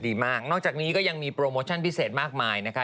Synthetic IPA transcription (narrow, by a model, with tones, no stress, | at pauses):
diː˧maː˥˩k̚nɔː˥˩k̚t͡ɕaː˨˩k̚niː˦˥kɔː˥˩ja˧ŋmiː˧pɾoː˧moː˧t͡ɕʰa˥˩npʰi˦˥˩seː˨˩t̪̚maː˥˩k̚maː˧jna˦˥kʰa˦˥